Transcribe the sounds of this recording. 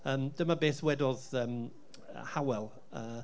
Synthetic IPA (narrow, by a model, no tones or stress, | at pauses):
əːmd̥əmabeːθwɛdɔðəːm | ə̰hawɛlˠ | əː